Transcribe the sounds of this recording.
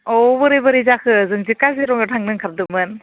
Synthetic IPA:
ɔbɯɾebɯɾizakʰɯzɯŋzɯkaziɾɔŋɯtʰaŋnɯŋkʰaɾ̚dɯmɯn

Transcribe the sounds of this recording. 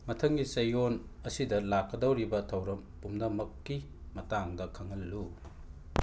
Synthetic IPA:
mɐtʰɐŋɡisɐjonɐsidɐlakːɐdɐwɾibɐtʰɐwɾɐmpumnɐmɐkːi | mɐtaŋdɐkʰɐŋɐlːu

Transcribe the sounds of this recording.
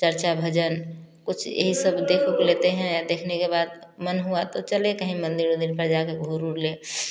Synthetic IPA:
t͡ʃəɾt͡ʃabʱɐd͡ʒənkʊt͡ʃʰjḛɦisəbd̪ekʰokolet̪eɦɛ̃jad̪eːkʰnekebaːd̪̚ | mənɦuat̪ot͡ʃəlekəɦĩmə̃nd̪iɾmə̃nd̪iɾpəɾd͡ʒakeɡʱoɾuɾleː

